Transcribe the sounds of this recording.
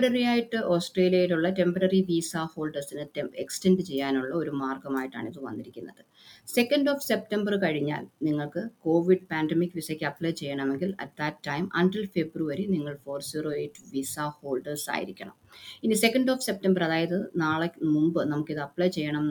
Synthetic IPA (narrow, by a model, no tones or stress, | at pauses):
ɐɾɐrijaːjiʈːɨʔo̞ːsʈreːlijɐjiɾuɭːɐte̞mpɐɾɐriʋiːsaho̞ːlɖɐrsinɨteekstenɖɨt͡ɕe̞jːaːnuɭːɐo̞ɾumaːrɡɐmaːjiʈːa̰ːɳiðɨʋɐ̰nːiɾikʲːunːɐðɨ | se̞kːɐnɖo̞ːfse̞p̚tɐmbɐrkɐɻiɲːa̰ːlniŋːɐɭkɨko̞ːʋiɖpaːndemikːʋisɐkʲːɐpɭɐjt͡ɕe̞jːɐɳɐme̞ŋɡilɐ̰t̪̚d̪ɐtːɐjmɐ̰ɳʈilfe̞bruʋɐɾiniŋːɐɭfo̞ːrsiːro̞ːeːtːɨʋiːsaho̞ːlɖɐrsa̰ːjḭɾikʲːɐ̰ɳɐ̰minise̞kːɐnɖo̞ːfse̞p̚tɐmbɐrɐðaːjɐðɨnaːɭemumbɨnɐmukːiðɨɐpːɭɐjt͡ɕe̞jːɐɳɐm